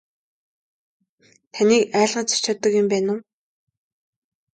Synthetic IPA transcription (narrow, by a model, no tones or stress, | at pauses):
t̪ʰaniːkæːɮʁaːt͡sḁt͡ɕɔːt̪ə̆kjʊmpæːnʊː